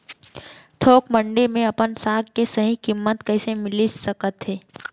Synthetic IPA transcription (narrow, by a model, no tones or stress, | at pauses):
ʈʰoːkmə̃ɳɖemẽɐpənsaːɡkesɐɦĩkɪmːət̪kɐːsemɪlisɐkət̪ɦɛː